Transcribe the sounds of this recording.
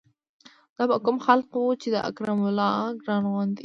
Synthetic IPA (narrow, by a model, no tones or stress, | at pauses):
d̪̥ɑbakʊmxalqwut͡ʃed̪əʔa̰kɾamʊlɑɡɾɑnɣwɑnd̪i